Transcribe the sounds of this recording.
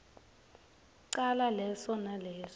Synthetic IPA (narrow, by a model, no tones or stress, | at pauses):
ǀalalɛsɔnalɛːsɔ